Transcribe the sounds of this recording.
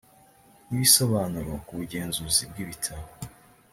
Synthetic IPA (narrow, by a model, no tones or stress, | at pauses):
nβisoβanuɾokuβuɟe̞ːnzuzibɡiːβitʰaβo